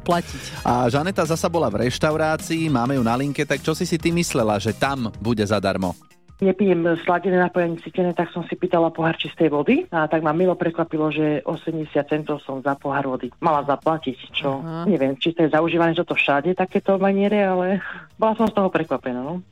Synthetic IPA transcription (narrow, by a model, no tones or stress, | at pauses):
placicʔaʒanɛt̪azasabɔlavɾɛʃt̪aʊɾaːt͡siːmaːmɛjunaliŋkɛt̪akt͡ʃɔsisit̪imislɛlaʒɛt̪ambuɟɛzad̪a̰ɾmɔ̰ | ɲɛpijɛmslaɟɛnɛːnapɔjaɲɛt͡siːcɛnɛːt̪aksɔmsipiːt̪alapɔɦaɾt͡ʃist̪ɛjʋɔd̪iat̪aɡmamilɔpɾɛkʋapilɔʒɛʔɔsɛmɟɛsɪat̪t͡sɛnt̪ɔʊsɔmzapɔɦaɾʋɔd̪imalazaplacict͡ʃɔɲɛʋɪɛmt͡ʃist̪ɔjɛzauʒiːʋanɛt͡ʃɔt̪ɔfʃaɟɛt̪akɛːt̪ɔmaɲɪɛɾɛalɛbɔlasɔmst̪ɔɦɔpɾɛkʋapɛnaːnɔ